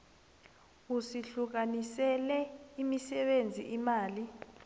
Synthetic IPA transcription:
usiɬuk̬anisɛlɛimisɛɓend͡zʱiʔimaːli

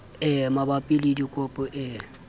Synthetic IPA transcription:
ɛmabapʼilidikʼʊpʼɔʔɪ

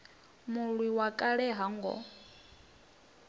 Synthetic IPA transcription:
muɺwiwakʼaɺɛɦaŋɡɔ̰

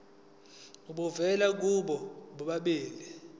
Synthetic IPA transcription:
uɓuvɛlak̬uɓɔɓuɓaɓiːli

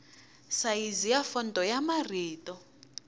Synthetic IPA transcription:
sajizijafɔndʱɔjamariːtʼɔ

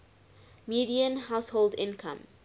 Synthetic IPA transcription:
miːdiə̃nhaʊsholdɪ̃nkʰã̰m

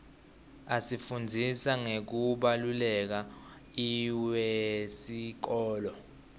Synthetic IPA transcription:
asifund͡zʱisaŋek̬uɓalulɛk̬a | iwesik̬ɔːlɔ

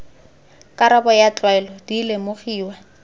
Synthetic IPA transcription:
kʼaɾabɔjat͡ɬʼwaɛlɔdilɪmoχiːwa

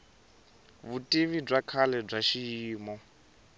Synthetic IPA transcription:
βutʼiβib͡ʐakʰalɛb͡ʐaʃiiːmɔ

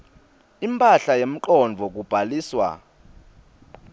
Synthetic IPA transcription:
impʼaɬajem̩ǃɔnd͡vʱɔk̬ub̥ʱaliːswa̰

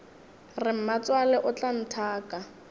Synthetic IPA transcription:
rɪm̩mat͡swalɛʔʊt͡ɬan̩tʰaːka

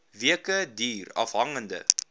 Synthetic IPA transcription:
viəkədiːrɐ̰fɦɐŋəndə̰

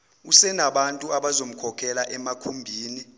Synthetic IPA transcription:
usɛnaɓantʼuaɓazom̩kʰɔkʰɛlaʔɛmakʰumbʱiːni

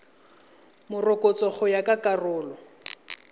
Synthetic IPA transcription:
mʊrʊkʼɔt͡sʼɔχʊjakʼakarʊːlɔ

